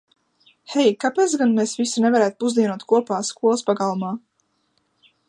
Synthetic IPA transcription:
hɛjkapeːt̪sɡanmesvisunevaɾæːt̪̚puzd̪iɛnuɔt̪̚kuɔpaːskuɔlˠspaɡalˠumaː

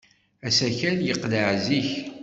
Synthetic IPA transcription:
æsæçænjəqːləʕziç

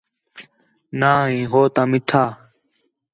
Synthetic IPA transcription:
nãːɦĩːɦoːt̪ãːmɪʈʰaː

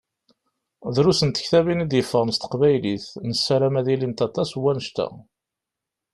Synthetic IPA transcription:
ðɾusənt̪ə̥çθævinid̪jəfːəʁəmst̪ə̥qvæjliθnəsːæɾæmæðilint̪ɑt̪ˤɑswːænəʃt̪æ̰

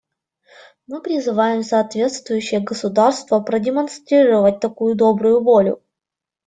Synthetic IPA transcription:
mɨpɾʲɪzɨvajɪmsɐːt̪vʲe̞t̪st̪vʊjʉɕːɪjəɡəsʊd̪arst̪vəpɾədʲɪmɐnst̪ɾʲiɾəvət̚ʲt̪ɐkujʊd̪o̞bɾʊjʊvo̞lʲʊ̰

